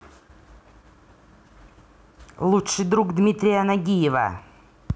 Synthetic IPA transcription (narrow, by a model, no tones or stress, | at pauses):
lˠutʂɨjd̪ɾukd̪mʲit̪ɾʲɪjanaɡʲijɪvɐ̰